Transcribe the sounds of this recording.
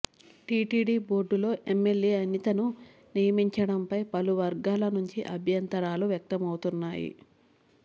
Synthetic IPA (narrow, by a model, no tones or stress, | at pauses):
ʈiːʈiːɖiːbo̞ːɾɖulo̞ːʔemːe̞ljeːɐnit̪ɐnu | nijɐmiɲt͡ʃɐɽɐmpɐjpɐluʋɐɾɡaːlɐnuɲt͡ʃiʔɐbʱjɐnt̪ɐɾaːluʋjɐk̚t̪ɐmɐwut̪unːaːjḭ